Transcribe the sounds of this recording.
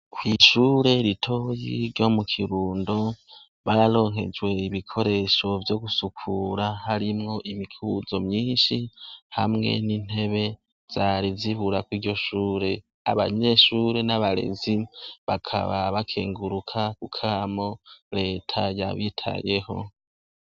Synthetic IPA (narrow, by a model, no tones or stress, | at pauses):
kwiʃuːɾe̞ɾitʰo̞jiɾjo̞mukʰiɾuːndo̞ | βaɾalo̞ːŋɦe̞̰d͡ʒwe̞iβikʰo̞ɾe̞ʃo̞vjo̞ɡusukʰuɾahaɾimŋo̞ʔimikʰuzo̞mɲiːnʃihamŋe̞̰nin̥e̞βe̞ | z̥aɾiziβuɾakwiːɾɟo̞ʃuːɾe̞ | a̰βa̰ɲe̞ʃuːɾe̞naβaɾe̞̰ziβakʰa̰βaβakʰḛːŋɡuɾukʰakukʰamo̞ɾe̞ːtʰaja̰βitʰa̰je̞ho̞̰